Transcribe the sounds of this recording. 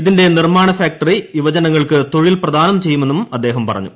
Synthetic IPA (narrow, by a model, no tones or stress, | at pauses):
iðinde̞nirmaːɳɐfaːk̚ʈɐriiʋɐt͡ɕɐnɐŋːɐɭkɨt̪o̞ɻilprɐd̪ʱaːnɐmt͡ɕe̞jːume̞nːumɐd̪ːe̞ːɦɐmpɐrɐ̰ɲːu